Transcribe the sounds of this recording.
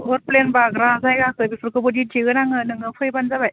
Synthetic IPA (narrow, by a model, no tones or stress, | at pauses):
ɯɾ̚plenbaɡɾazajɡakʰɯbipʰɯɾkɯbɯditʰiɡɯnaŋɯnɯŋɯpʰɯjbanzabaj